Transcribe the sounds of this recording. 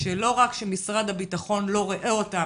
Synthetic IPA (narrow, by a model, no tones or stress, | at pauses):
ʃelo̞ʁakʃemisʁad̪habitaχo̞nlo̞ʁeʔeo̞ta